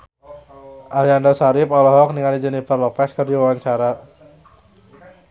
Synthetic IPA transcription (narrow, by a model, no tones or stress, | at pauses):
ʔaliandɔsaɾɪpɔlɔɦɔk̚niŋalid͡ʒənib̥ərlɔpɛskərdiwawaɲt͡ʃaɾa